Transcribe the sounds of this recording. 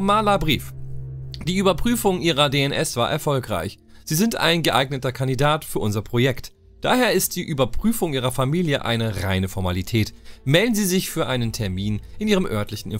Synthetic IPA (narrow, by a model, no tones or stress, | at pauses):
maːlabʁiːf | d̥iːʔyːbɐpʁ̥yːfʊŋʔiːʁɐdeɛnʔɛsv̥aːɐʔɛ̰ɐfɔlkʁa̰ɪç | z̥iːzɪnta̰ɪnɡəʔaɪɡnətɐkʰandidaːtfyːɐʔʊnzɐpʁ̥ojɛkt | d̥a̰ːheːɐɪst̚d̥iːʔyːbɐpʁ̥yːfʊŋʔiːʁ̞ɐfamiːljəʔa̰ɪnəʁa̰ɪnəfɔɐmalitʰɛːtmɛldn̩ziːzɪçfyːɐʔaɪnəntʰɛɐmiːnʔɪniːʁəmʔœɐtlɪçn̩ɪ̰n